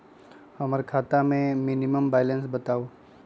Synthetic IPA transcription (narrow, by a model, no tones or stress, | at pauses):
hɐməɾkʰaːt̪amẽmɪniməmbaːjlə̃nsbɐt̪aːoː